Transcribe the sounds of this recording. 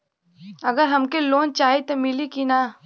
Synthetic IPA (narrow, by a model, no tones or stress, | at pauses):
ɐɡəɾɦɐmkeloːnt͡ʃaːɦit̪omɪlikinaː